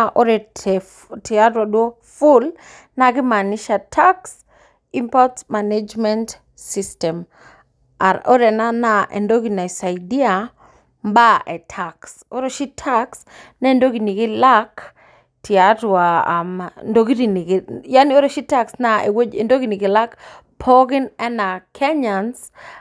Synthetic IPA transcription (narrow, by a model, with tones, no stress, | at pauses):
aʔɔ˦ɾɛ˨ | ti˨a˦dwa˨dwɔ˦ | fʊl | naɡɪ˦manɪ˦ʃatʰaks | i˦mpɔtma˨ned͡ʒmɛnt | sistɛ˨m | ɔ˦ɾɛ˨na˦naʔɛ̰˨ndo˦ɡi˨na˨sa˨jdi˦a | mba˦ʔɛ˨tʰaks | o˦ɾo˨ʃi˦tʰaks | nɛ˦˨ndo˦ɡi˨ni˨ɡi˦lak | tʰia˨twamndo˦ɡi˦ɾi˨ni˨ɡja˦ni˦o˦ɾo˨ʃi˦ta˦ksnaḛwo˦e˨ndo˦ɡi˦ni˨ɡi˨la˦k | pʰoɡɪ˦nɛ˦na˨kʰɛ˦ɲans